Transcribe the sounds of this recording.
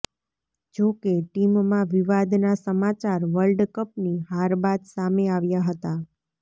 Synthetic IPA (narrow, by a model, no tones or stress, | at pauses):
d͡ʒokeʈimmãʋiʋad̪nasəmat͡ʃaɾʋəlɖkəp̚niɦaɾbad̪sameaʋjaɦət̪a